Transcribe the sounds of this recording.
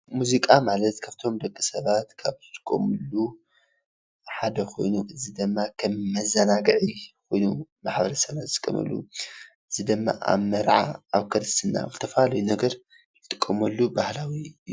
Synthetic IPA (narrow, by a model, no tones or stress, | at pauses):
muzikʼamalɐt̪kʰaft̪ʰo̞md̪ɐkʼːisɐβat̪kʰaβɨt̪ʼɨkʼːo̰mɨlːu | ħad̪ɐxʰo̞̰jnuʔɨzid̪ɨmːakʰɐmːɐzɐnaɡɨʕikʰo̞jnumaħbɐɾɐsɐβat̪zɨkʼːɐ̰mɐ̰lːṵʔɨzid̪ɨmːa̰ʔa̰βmːɐɾʕa̰aβkʰɐɾɨst̪ʰɨnːa̰zɨt̪ʰɐfalɐjunɐɡɐɾ | jtɪɨt̪ʼɨ̥kʼːɐmɐlːubahlawi